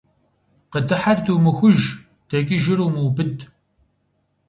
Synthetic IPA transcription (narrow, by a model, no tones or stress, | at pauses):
qədɨħartʰuːmɨxʷʊʒ | d̥ɐkʼiʒɪɾuːmuːbɨd